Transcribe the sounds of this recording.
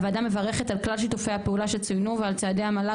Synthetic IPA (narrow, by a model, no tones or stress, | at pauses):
vaːdame̞vaʁe̞χe̞talklalʃitufejhapeulaʃelt͡sujnuvealt͡saːdejamala